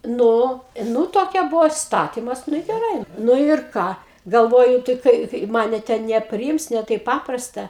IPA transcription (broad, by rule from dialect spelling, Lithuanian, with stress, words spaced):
ˈnʊ ˈnʊ toːˈkʲɛ ˈbʊʋoː ɪsˈtɑːtʲɪmɐs ˈnʊ ɪ ɡʲɛˈrɐɪ ˈnʊ ɪr ˈkɑː ɡɐlˠˈʋoːjʊ tɐɪ ˈkɐɪ ˈmɑːnʲɛ tʲɛn nʲɛpʲrʲɪˈɪms nʲɛ ˈtɐɪp ˈpɑːprɐstɐ